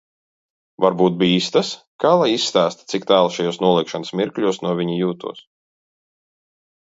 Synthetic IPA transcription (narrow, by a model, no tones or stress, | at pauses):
vaɾbuːt̪̚biiːst̪as | kaːlˠajisːt̪aːst̪t̪sikt̪aːlˠʃajuːsnuɔlˠikʃanəsmʲiɾkʎʲuɔsnuɔvʲiɲijuːt̪ṵɔs